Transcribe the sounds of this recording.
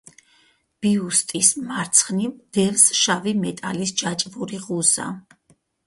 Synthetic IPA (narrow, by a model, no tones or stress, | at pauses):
b̥iust̪ʼismaɾt̪sʰχnimd̪̥ɛlsʃavimɛt̪ʼalisd͡ʒat͡ʃʼvuɾiʁuza̰